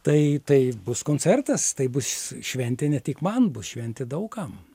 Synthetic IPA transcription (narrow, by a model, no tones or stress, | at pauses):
t̪ɐɪt̪ɐɪbʊskoːnʲt͡sʲɛrt̪ɐst̪ɐɪbʊsʃʲʋʲɛnʲt̪ʲɪnʲɛt̪ʲikmɐnbʊsʃʲʋʲɛnʲt̪ʲɪd̪ɐʊkɐm